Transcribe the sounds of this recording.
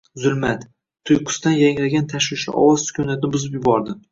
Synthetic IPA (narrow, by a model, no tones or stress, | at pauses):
zʊlmat̪ | t̪ʰːʊjqʰʊ̥st̪anjaŋɾaɡʲant̪ʰaʃwɪʃɪ̰ʔɒ̰wɒzsʊ̥kʲʰunat̪ʰɪnɪbʊzɪpjʊbɒɾd̪ɪ